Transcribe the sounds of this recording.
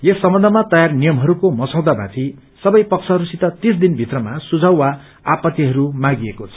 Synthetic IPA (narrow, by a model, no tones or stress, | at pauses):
jesːʌmbʌ̃nd̪ʱʌmat̪ʌjarnijʌmɦʌɾukomʌsãw̃d̪abãt̪ʰi | sʌbʌjpʌksʰʌɦʌɾusit̪ʌt̪isd̪inbʱit̪rʌmasud͡zʱʌwːa | apʌt̪ːiɦʌɾumãɡiekot͡sʰʌ̥